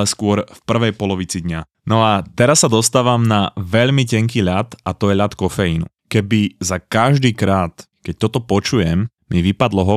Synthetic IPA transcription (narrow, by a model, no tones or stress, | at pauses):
ɛskʊɔɾfpr̩ʋɛjpɔlɔʋit͡sid̪ɲa | nɔat̪ɛɾasːad̪ɔst̪aːʋamnaʋɛʎmicɛŋkiːʎat̪ʔat̪ɔjɛʎat̪kɔfɛjinṵ | kɛbizakaʒd̪iːkɾaːt̪ | kɛc̚t̪ɔt̪ɔpɔt͡ʃujɛm | miʋipad̪lɔɦɔ